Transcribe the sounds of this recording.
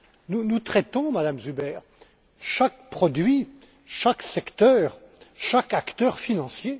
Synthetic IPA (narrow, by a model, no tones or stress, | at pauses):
nunut̪χɛt̪ɔ̃mad̪amzybɛːʁ | ʃakpχɔd̪ɥi | ʃaksɛkt̪œːʁ | ʃakakt̪œʁfinɑ̃sje